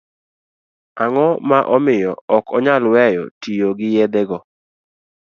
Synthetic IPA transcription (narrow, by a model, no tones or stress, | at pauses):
aŋɔmaʔɔmɪjɔɔkʰɔɲalwɛjɔ̰tijoɡɪjed̪eɡɔ